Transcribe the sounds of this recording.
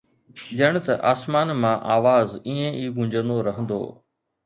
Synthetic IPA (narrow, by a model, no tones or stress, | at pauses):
d͡ʑɐɽ̃̆t̪ɐʔaːsmaːnmãʔaːʋaːziːẽʔiːɡʊ̃ɲd͡ʑə̃nd̪oɾɐɦə̃nd̪o̰ː